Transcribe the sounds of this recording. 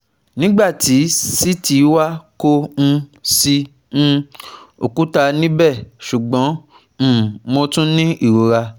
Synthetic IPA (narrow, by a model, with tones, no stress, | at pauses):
nĩ˦ɡ͡ba˦˨ti˨˦si˦ti˨˦wa˦ko˦ñ̩˧si˧ | ñ̩˦o̰˨ku˦ta˧nĩ˦bɛ˦˨ʃu˨ɡ͡bɔ̃˨˦˨ | mo˧tũ˦nĩ˦i˦˨ɾo˨˧ɾa˧